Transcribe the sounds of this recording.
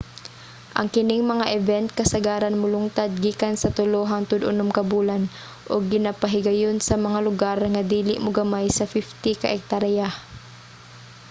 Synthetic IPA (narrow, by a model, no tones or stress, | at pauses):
ʔɐ̰ŋkɪnɪŋmɐŋaʔɛvɛnt̪̚kɐsɐɡaːɾanmʊlʊŋt̪ad̪̚ɡiːkansɐt̪ʊloːɦaŋt̪ʊd̪ʔʊ̰nʊmkɐbuːlan | ʔoɡ̚ːɪnapaɦɪɡɐjonsɐmɐŋalʊɡaɾŋad̪iːlɪʔmʊɡɐmajsɐfɪft̪ɪka̰ʔɛk̚t̪aɾja